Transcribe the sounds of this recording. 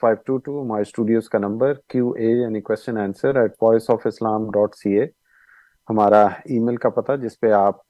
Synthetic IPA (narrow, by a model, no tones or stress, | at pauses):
faːɪʋʈuːʈuːɦɐmaːɾesʈuːɖijoːzkanɐ̃mbəɾkjuːʔeːjaːnikwɛst͡ʃənɛ̃ːnsəɾɛːʈ̚bɔːɪsɔːfɪslaːmɖɔːʈsiːeː | hɐmaːɾaiːmeːlkapɐt̪ad͡ʒɪspeaːp̚